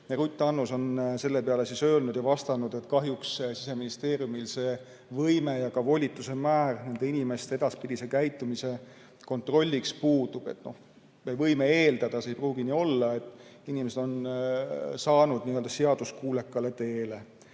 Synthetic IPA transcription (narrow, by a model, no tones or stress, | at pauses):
neɾut̪ʲːˑɑnːuso̞nse̞lːe̞peɑlesisø̞ːlnud̪jɑvɑst̪ɑnud̪̥e̞t̪kɑɦjukssis̬e̞minist̪e̞ːɾjumilse̞ː | vɤjme̞jɑkɑvo̞lʲit̪ːˑuse̞mæːrne̞nd̪e̞inime̞st̪e̞ed̪ɑspid̪ʲise̞kæjt̪ːˑumise̞ | ko̞nt̪ro̞lʲːikspuːd̪̥ub̥e̞̰t̪no̞h | mevɤjmeeːld̪ɑd̪̥ɑseejpruːɡ̥inio̞lːɑe̞t̪ːˑ | inimese̞d̪̥o̞n | sɑːnud̪̥niøld̪ɑse̞ɑd̪uskuːle̞kːɑle̞t̪e̞ːle̞